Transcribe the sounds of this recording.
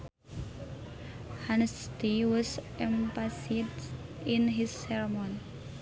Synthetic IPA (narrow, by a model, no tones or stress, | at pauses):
hanstiwɔs | ɛmpasidɪnɦisːɛɹmɔni